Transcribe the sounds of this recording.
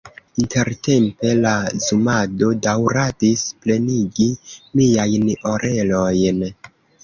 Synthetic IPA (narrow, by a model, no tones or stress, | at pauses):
inte̞ɾte̞mpe̞lazumado̞dawɾadisple̞niɡimiajno̞ɾʔe̞lo̞jn